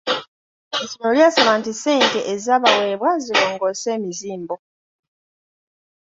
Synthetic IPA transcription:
ezinoljasaβaːntiseːnteʔezaːβaweːβwaziloːŋɡoseːmiziːmbo

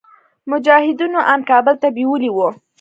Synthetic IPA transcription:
mʊd͡ʒɑhɪd̪unoʔɑnkɑbəlt̪abiwəliwo

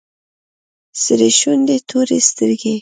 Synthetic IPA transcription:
səɾeʃund̪et̪ʰoɾest̪əɾɡe

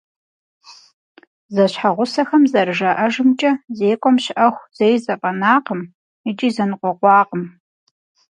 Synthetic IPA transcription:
zɐɕħaʁʷʊsɐxɐmzɐrɨʒɐʔɐʒɨmt͡ʃʼɐzeːkʷʼɔmɕɪʔɐxʷz̥ɐjzɐpʼɐnaːqəm | ɪt͡ʃʼiːzɐnɨqʷɔqʷɑːqəm

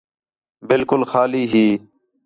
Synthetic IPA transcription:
bɪlkʊlxaːliːɦiː

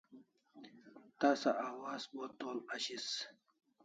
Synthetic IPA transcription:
t̪aːsaʔawɑːzbot̪oːlaɕis

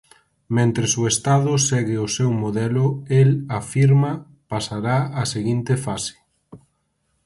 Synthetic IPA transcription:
mẽnt̪ɾesʊest̪aðʊsɛɣɪosɛwmoðɛlʊelafiɾma | pasaɾaaseɣint̪efase̥

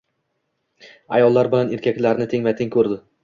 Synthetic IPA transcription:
a̰jɒlˠːaɾbɪlaneɾkʲakʲlaɾnɪt̪ʰɪŋvat̪ʰɪŋkʰɵɾd̪ɪ

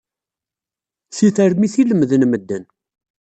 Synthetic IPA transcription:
siθəɾmiθiləmðənməd̪ːən

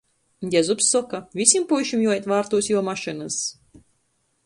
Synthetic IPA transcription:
j̪ʲɛzupsːɔkavʲisʲimpujʃimjuɔjɛt̪vaːɾt̪uɔsjuɔmaʃɨnɨs

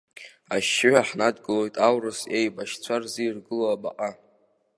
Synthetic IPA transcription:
aʃːɪʕʷᶣaħnadɡɨlo̞jtʼawrɨsejbaʃt͡sʷʰarzirɡɨloabaqʼa

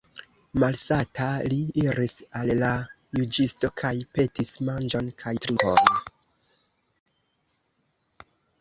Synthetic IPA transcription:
malsatʰaliiɾisalːa | jud͡ʒisto̞kʰajpe̞tismand͡ʒo̞nkʰajtɾipo̰n

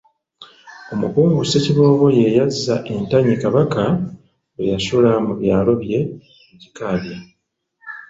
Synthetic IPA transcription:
o̞mukuːŋɡuse̞ciβo̞ːβo̞je̞jazːaʔe̞ntaɲikaβaka | ɡwḛjasulamuβjaːlo̞βje̞ | eɟikaːβja

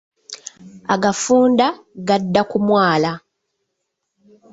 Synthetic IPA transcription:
aɡafuːnda | ɡadːakumwaːla

